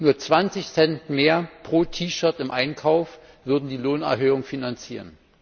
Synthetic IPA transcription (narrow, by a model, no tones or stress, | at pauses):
nuːɐt͡sv̥ant͡sɪçsɛntmeːɐpʁ̥oːtʰiːʃœɐtɪmʔaɪnkʰaʊf | v̥ʏɐdn̩diːloːnɛ̰ɐɦøːʊŋfinant͡siːʁən